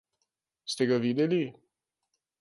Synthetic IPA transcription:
st̪ɛɡaʋiːd̪ɛli

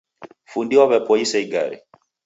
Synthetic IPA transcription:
fundiwaβɛpɔisɛiɡaɾḭ

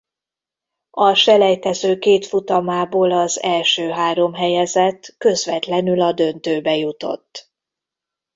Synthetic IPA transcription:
ɒʃɛlɛjt̪ɛzøːkeːt̪fut̪ɒmaːboːlɒzɛlʃøːɦaːɾo̞mɦɛjɛzɛt̪kø̞zʋɛt̪lɛnylɒd̪ø̞nt̪øːbɛjut̪o̞̰t̪ː

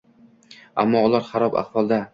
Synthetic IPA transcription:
a̰mːɒʊlˠaɾχaɾɒba̰χfɒlˠd̪a

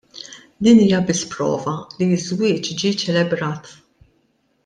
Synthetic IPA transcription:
d̪iːniːjɐbɪsːpɾɔ̰ːvɐlizwɪːt͡ʃd͡ʒit͡ʃɛlɛbɾɐːt̪

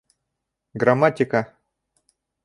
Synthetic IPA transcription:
ɡɾamatʲɪka

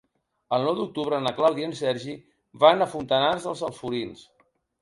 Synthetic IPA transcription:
əlˠnɔwd̪uk̚t̪uβɾənəklawðiənsɛɾʒi | βanəfunt̪ənarzðəlˠzəlˠfuɾins

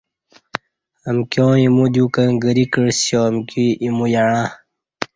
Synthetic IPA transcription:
əmkjõːimud̪jukəŋɡəɾikəɻsjomkiimujaɽ̃ã

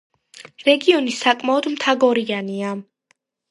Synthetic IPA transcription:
ɾɛɡiɔnisakʼmaɔd̪mt̪ʰaɡɔɾiania

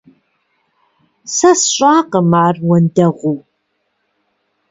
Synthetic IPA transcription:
sɐsɕʼaːqəmaːrwɐndɐʁʷu

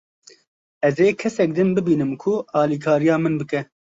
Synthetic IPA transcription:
ɛzeːkʰɛsɛk̚d̪ɨnbɨbiːnɨmkʰʊɑːliːkʰɑːɾijɑːmɨnbɨkɛ

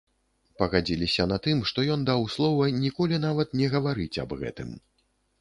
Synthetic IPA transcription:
pɐɣad͡zʲilʲisʲɐnat̪ɨmʂt̪ɔjɔnd̪awslˠɔvɐnʲikɔlʲinavɐt̪nʲɛɣɐvaɾɨt͡sʲɐ̰bɣɛ̰t̪ɨ̰m

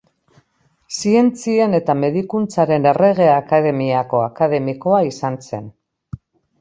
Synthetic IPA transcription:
sie̞nt͡siene̞t̪ame̞ðikunt͡saɾe̞ne̞re̞ɣe̞akaðe̞miako̞akað̞e̞miko̞aisanse̞̰n

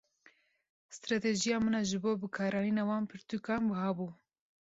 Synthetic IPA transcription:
st̪ɾɑːt̪eʒijɑːmɨnɑʒɨboːbɨkʰɑːɾɑːjinɑːwɑːnpʰɨɾt̪ukɑːnbɨhɑːbuː

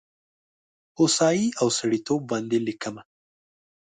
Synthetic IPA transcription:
hosɑjiawsaɽit̪ob̚ːɑnd̪elikəma

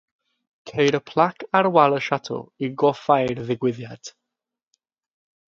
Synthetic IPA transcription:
kʰejɾəpʰl̥ˠakʰaɾwalˠəʃatʰɔ̰iɡɔfajrðɪɡwɪðjad̥

